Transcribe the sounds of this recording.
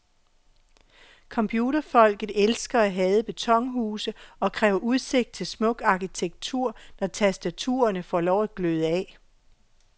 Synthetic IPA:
kʰɒ̽mpʰjuːɾɐfɒ̽l̰ɡ̥ð̩ˠelsɡ̥ɐæɦɛːðˠəb̥e̝t͡sʰɒ̽ŋɦuːsəɒ̽kʰʁɛːʊɐʔuðˠse̝ɡ̥̚d̥̚t͡sʰe̝lsmɔ̽ɡ̥ɑ̈kʰit͡sʰeɡ̥̚t͡sʰuɐ̰nɒt͡sʰæsd̥æt͡sʰṵːɐnəfɒlɒʊæd̥ɡ̥løð̩ˠəɛ

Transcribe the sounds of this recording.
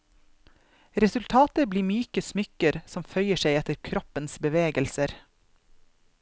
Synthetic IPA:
ɾɛsʉlt̪ʰɑːt̪əbliːmyːkəsmʏkəɾsɔmfœʏəʃeɪɛt̪əɾkʰɾɔpənsbəʋeːɡəlsəɾ

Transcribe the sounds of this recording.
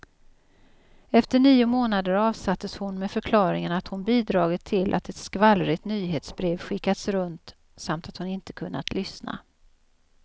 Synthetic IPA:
ɛft̪əɳiːʊmoːnad̪əɾɑːvsat̪ːəshʊnmɛfœɾkʰlɑːɾɪŋənat̪hʊnbiːd̪ɾɑːɡət̪ʰːɪlʔa̰t̪ɛt̪skvalɾɪt̪nyːɦeːt̪sbɾeːvɧɪkːat̪sɾɵnt̪ | samt̪at̪hʊnɪnt̪ə̥kʰɵnːa̰t̪ʰlʏsna̰

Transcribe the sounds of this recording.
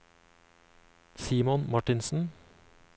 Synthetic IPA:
siːmɔnmɑʈɪnsn̩

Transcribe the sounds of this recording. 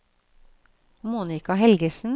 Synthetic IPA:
muːnɪkɑhɛlɡəsn̩

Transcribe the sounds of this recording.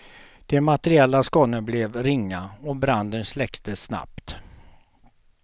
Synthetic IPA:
d̪̥ɛmat̪ɛɾɪɛlːaskɔnːəblɛvɾɪŋːaɔbɾand̪ənslɛkt̪əsna̰pt̪

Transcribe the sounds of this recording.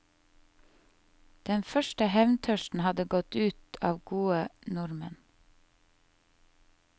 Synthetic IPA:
d̪̥ɛnfœʃʈəhɛʋnt̪ʰœʃtn̩hɑd̪əɡɔt̪ʉːt̪ɑːʋɡuːənʊɾmə̰n

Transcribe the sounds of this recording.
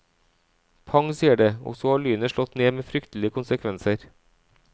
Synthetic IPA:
pʰɑŋsiːəɖeːɔ̰sɔhɑːɭyːnəʃɭɔt̪neːmeːfɾʏkt̪l̩ɪəkʊnsəkʰʋɛnsəɾ

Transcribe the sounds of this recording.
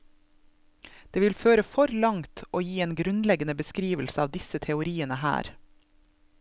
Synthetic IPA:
d̪̥eːʋɪlføːɾəfɔɾlɑŋt̪ʔoːjiːeːnɡɾʉnlɛɡənəbəskɾiːʋəl̩səɑːʋd̪ɪsət̪ʰɛʊɾiːənəhæ̰ːɾ

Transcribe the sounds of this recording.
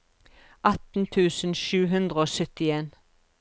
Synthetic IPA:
ʔɑt̪n̩t̪ʰʉːsn̩ʃʉːɦʉnd̪ʁəoːsœt̪ɪeːn

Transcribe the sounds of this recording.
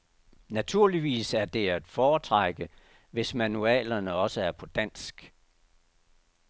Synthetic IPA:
næt͡sʰuɐ̰liʋḭːsæɐd̥e̝æd̥fɒːt͡sʰʁaɡ̥ə | ʋe̝smænuɛ̰ːlɐnəɒ̽səæɐpʰɒ̽d̥æn̰sɡ̥

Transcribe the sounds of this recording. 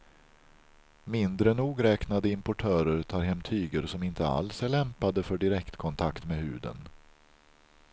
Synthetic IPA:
mɪnd̪ɾənuːɡɾɛːknad̪əɪmpʊʈʰœːɾəɾt̪ʰɑːɾɦɛmt̪ʰyːɡəɾsɔmɪnt̪ʰəa̰lsæɭɛmpad̪əfœɖɪɾɛkt̪kʰɔnt̪ʰakt̪meːɦʉ̟̰ːd̪ə̰n

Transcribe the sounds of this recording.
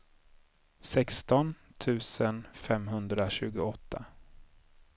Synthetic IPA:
sɛkst̪ɔnt̪ʰʉ̟ːsənfɛmɦɵnd̪ɾaɕʉ̟̰ːɡʊɔt̪ʰːa

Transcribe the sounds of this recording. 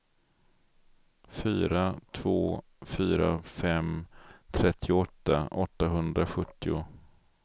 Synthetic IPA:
fyːɾat̪ʰvoː | fyːɾa̰fɛmt̪ʰɾɛt̪ʰːɪʊɔt̪ːaʔɔt̪ːaɦɵnd̪ɾaɧɵt̪ːɪʊ

